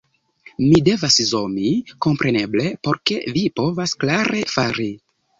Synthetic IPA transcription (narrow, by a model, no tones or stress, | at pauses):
mide̞vaszo̞miko̞mpɾe̞ne̞ble̞po̞ɾke̞vipo̞vasklaɾe̞faɾi